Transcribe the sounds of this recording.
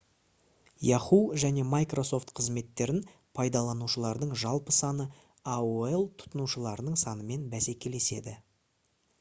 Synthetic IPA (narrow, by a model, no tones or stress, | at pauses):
jɑχuʒæne̞majkro̞so̞ft̪qʰəzme̞t̪ːe̞ɾɪn | pʰɑjd̪ɑlˠɑnuʃəlˠɑɾd̪əɴʒɑlˠpəsɑnə | auelˠt̪ʰʊ̥t̪ənuʃəlˠɑɾənəɴsɑnəme̞nbæse̞kʲe̞le̞se̞̰d̪ɪ